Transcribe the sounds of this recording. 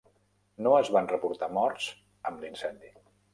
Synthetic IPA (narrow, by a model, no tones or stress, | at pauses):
noəzβanrəpuɾt̪amɔɾts | əmlinsɛnd̪i